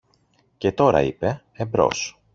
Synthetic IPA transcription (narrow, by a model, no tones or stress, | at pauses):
ce̞t̪o̞ɾɐ̰ipe̞ | ebɾo̞̰s